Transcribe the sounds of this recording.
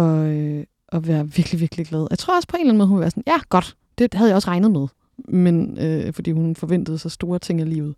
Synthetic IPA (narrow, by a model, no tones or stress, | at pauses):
ɒ̽ø | ʔɒ̽ʋæːɐʋiɐɡ̥liʋiɐɡ̥liɡ̥lɛð̞ˠjaɪt͡sʰʁo̝ɐɒ̽spʰɒ̽e̝nlænmɔðˠhnʋeʋæɐsɒ̽njæɡ̥ɒ̽d̥ | d̥e̝̥hæðˠjaɪɒsʁɑ̈ɪnəð̞̩ˠmeð̞ˠ | menøfɒd̥ḭːhunfɒ̽ʋen̰d̥ð̩ˠsɒ̽sd̥o̝ːɐt͡sʰe̝ŋ̰ælḭːʊð̩ˠ